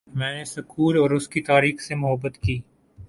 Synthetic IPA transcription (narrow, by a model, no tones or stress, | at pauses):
mɛ̃ːnesʊkʰuːlɔːɾʊskit̪aːɾiːxsemʊɦəbːət̪kiː